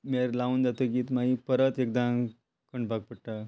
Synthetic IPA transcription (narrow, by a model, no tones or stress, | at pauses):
meɾlauːnd͡zat̪ək̬iːt̪maɦipəɾət̪ek̚d̪ã | kəɳɖbaɡ̚pəɽʈa